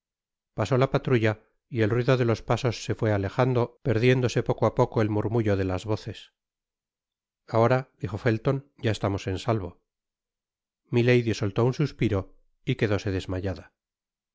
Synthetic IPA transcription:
paso̞lapat̪ɾuʝa | ie̞lrwiðoðe̞lo̞spaso̞sːe̞fwe̞ale̞χand̪o̞pe̞ɾðje̞nd̪o̞se̞po̞koapokoelmuɾmuʝo̞ðe̞lazβo̞θe̞s | ao̞ɾad̪iχo̞fe̞lt̪o̞nɟ͡ʝaest̪amo̞se̞nsalβo | mile̞jðiso̞lt̪o̞unsuspiɾo̞ | ike̞ðo̞se̞ðe̞zmaʎaða

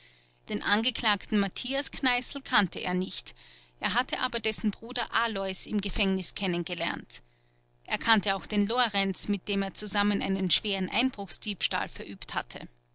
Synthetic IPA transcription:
d̥eːnʔanɡəkʰl̥aːktn̩matʰiːasknaɪsl̩kʰantəʔḛːɐnɪçt | ʔeːɐɦatəʔaːbɐdɛsn̩bʁuːdɐʔalɔɪsɪmɡəfɛŋnɪskʰɛnənɡəlɛ̰ɐnt | ʔeːɐkʰantəaʊxd̥eːnloʁɛnt͡smɪt̚d̥eːmeːɐt͡suzamənʔa̰ɪnənʃv̥eːʁənʔa̰ɪnb̥ʁʊxsd̥iːpʃta̰ːlfɛɐʔyːptha̰tʰə̰

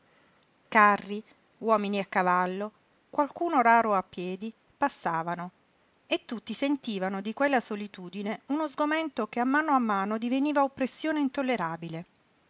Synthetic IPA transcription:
karːi | wɔːminiakːavalːo | kwalkuːnoɾaːɾoapːjɛːd̪i | pasːaːvano | et̪ːut̪ːisent̪iːvanod̪ikwelːasolit̪uːd̪ineunozɡoment̪okeamːaːnoamːaːnod̪iveniːvaopːɾesːjoːneint̪olːeɾaːbile

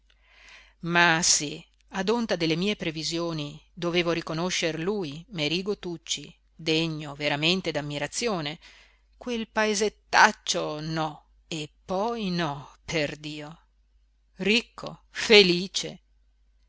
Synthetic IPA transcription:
masi | ad̪ont̪ad̪elːemiːepɾevizjoːnid̪oveːvoɾikonoʃːerluːjmeɾiːɡot̪ut͡ʃːi | d̪eɲːoveɾament̪ed̪amːiɾat̪sːjoːne | kwelpaezet̪ːat͡ʃːonɔ | epːɔjnɔpʰerd̪iːo | rikʰːo̰feliːt͡ʃḛ

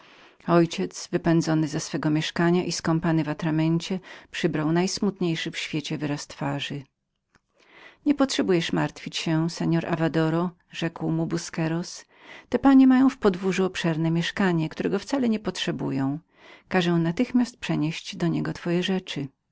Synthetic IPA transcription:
ɔjt͡ɕɛt̪svɘpɛnd̪zɔnɘzɛsfɛɡɔmʲjɛʂkaɲaʔiskɔmpanɘvat̪ɾamɛɲt͡ɕɛpʂɘbɾawnajsmut̪ɲejʂɘfɕfʲjet͡ɕɛvɘɾast̪faʐɘ | ɲɛpɔtʂɛbujɛʂmaɾt̪fʲit͡ɕɕɛsɛɲɔɾa̰vad̪ɔɾɔ | ʐɛkwmubuskɛɾɔs | t̪ɛpaɲɛmajɔ̃w̃fpɔd̪vuʐɘɔpʂɛɾnɛmʲjɛʂkaɲɛkt̪uɾɛɡɔft̪salɛɲɛpɔtʂɛbṵjɔ̃w̃ | kaʐɛw̃nat̪ɘxmʲast̪̚pʂɛɲeɕd͡ʑd̪ɔɲɛɡɔt̪fɔjɛʐɛt͡ʂɘ

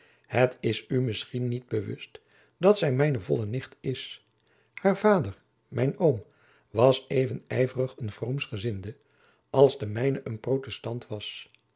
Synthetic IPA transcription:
hətɪsymɪsχinːid̚bəʋɵ̰st | dɑtsɛjmɛjnəvɔlənɪχtɪs | haːɹvaːdəɹ | mɛjnowm | ʋɑsejvənɛjvərəχənvromsχəzɪndə | ɑlˠzdəmɛjnəʔənprowtɛstɑntʋɑs

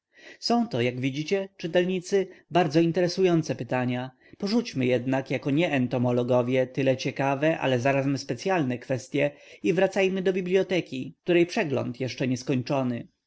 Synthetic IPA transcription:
sɔ̃w̃t̪ɔjaɡvʲid͡ʑit͡ɕɛt͡ʂɘt̪ɛlɲit̪sɘbaɾd̪zɔint̪ɛɾɛsujɔnt̪sɛpɘt̪aɲa | pɔʐut͡ɕmɘjɛd̪nakjakɔɲɛːnt̪ɔmɔlɔɡɔvʲjɛt̪ɘlɛt͡ɕɛkavɛʔa̰lɛzaɾazmspɛt̪sjalnɛkfɛst̪ʲjɛivɾat̪sajmɘd̪ɔbʲiblʲjɔt̪ɛkʲik̚t̪uɾɛjpʂɛɡlɔ̰nt̪jɛʂt͡ʂɛɲɛskɔɲt͡ʂɔnɘ

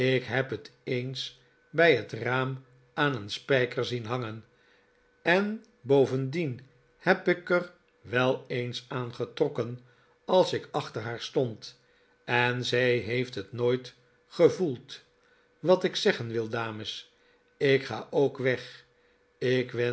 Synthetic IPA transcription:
ɪkɦɛpɦətejns | bɛjɦətraːm | aːnənspɛjkəɹzinɦɑŋən | ɛn | bowvəndin | hɛpɪkər | ʋɛlˠejnsaːnχətrɔkən | ɑlˠsɪkɑχtəɹɦaːɹstɔnt | ɛnzɛjɦejftɦətnoːjt | χəvulˠt | ʋɑtɪksɛχənʋɪlˠdaːməs | ɪkχa̰ːʔowkʋɛχ | ɪkʋɛ

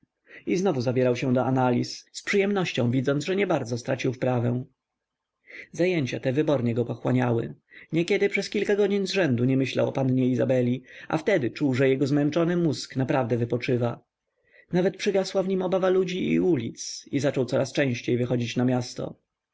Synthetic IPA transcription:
iznɔvuzabʲjɛɾawɕɛ̃d̪ɔʔanalʲisːpʂɨjɛmnɔɕt͡ɕɔ̃w̃vʲid̪zɔnʐɛɲɛbaɾd̪zɔst̪ɾat͡ɕiwfpɾavɛ̃w̃ | zajeɲt͡ɕat̪ɛvɘbɔɾɲɛɡɔpɔxwaɲawɘ̰ | ɲɛkʲɛd̪ɘpʂɛskʲilkaɡɔd͡ʑiɲzʐɛnd̪uɲɛmɘɕla̰wɔ̰panɲɛizabɛlʲiʔa̰ft̪ɛd̪ɘt͡ʂuwʐɛjɛɡɔzmɛnt͡ʂɔnɘmusknapɾavd̪ɛvɘpɔt͡ʂɘva | navɛt̪̚pʂɘɡaswavɲimɔbavalud͡ʑḭːulʲit̪sizat͡ʂɔwt̪sɔɾast͡ʂɛ̃w̃ɕt͡ɕejvɘxɔd͡ʑit͡ɕnamʲjast̪ɔ̰

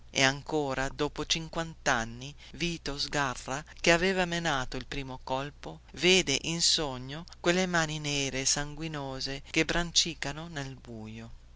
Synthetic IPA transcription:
ḛaŋkoːɾad̪oːpot͡ʃiŋkwant̪anːi | viːt̪ozɡarːakeaveːvamenaːt̪oilpɾiːmokɔlpo | veːd̪eʔinsoɲːokwelːemaːnineːɾesaŋɡwinoːzekebɾant͡ʃiːkanonelbuːjo

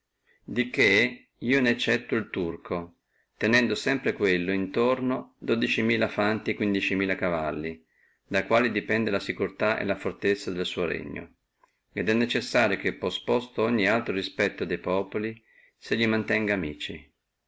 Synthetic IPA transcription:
d̪ike | iːonɛt͡ʃːɛt̪ːʊilt̪urkʰo | t̪enɛnd̪osɛmpɾekwelːoint̪ornod̪od̪it͡ʃimiːlafant̪ikwind̪it͡ʃimiːlakava̰lːi | d̪akwaːlid̪ipɛnd̪elasikurt̪aʔḛlafort̪et̪sːad̪elsuːoɾḛɲːo̰ | ed̪ɛnːet͡ʃesːaːɾjokepːɔspɔst̪oɔɲːialt̪ɾoɾispɛt̪ːod̪ɛjpɔːpoli | seʎːimant̪ɛŋɡaːmiːt͡ʃi

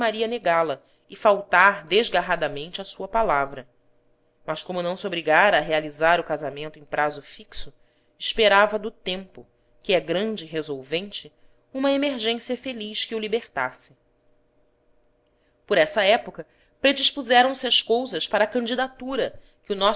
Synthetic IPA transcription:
maɾiɐneɡalɐ | ɪfawt̪aɾd̪eʒɡaɦad̪ɐmẽnt͡ʃɪɐsuɐpalavɾɐ | mɐʃkõmʊnɐ̃w̃sɪobɾiɡaɾɐːɦealizaɾʊkazamẽnt̪ʊẽj̃pɾazʊfiksʊ | ɪʃpeɾavɐd̪ʊt̪ẽmpʊ | kɪɛɡɾɐ̃d͡ʒɪːɦezowvẽnt͡ʃɪ | ũmɐemeɾʒẽsiɐfeliʃkɪʊlibeχt̪a̰sɪ | pʊɾɛsɐɛpokɐ | pɾed͡ʒiʃpuzɛɾɐ̃w̃sɪɐʃkowzɐʃpaɾɐːkɐ̃nd͡ʒid̪at̪uɾɐ | kɪʊnɔ

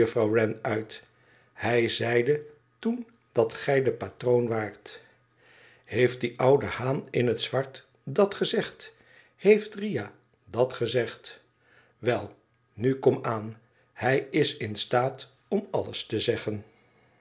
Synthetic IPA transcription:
əfrɑwrɛnœɥt | hɛjzɛjdə | tun | d̥ɑtχɛjdəpatrownʋaːɹt | hejft̚diʔʌwdəhaːnɪnɦətsʋɑɹt | dɑtχəzɛχt | hejftrija | dɑtχəzɛχt | ʋɛlˠ | nykɔmaːn | hɛjɪsɪnstaːt | ɔmɑlə̰stəzɛχən

